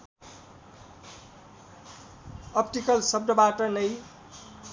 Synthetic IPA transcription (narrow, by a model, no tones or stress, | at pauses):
ʌpʈikʌlsʌb̚d̪ʌbaʈʌnʌj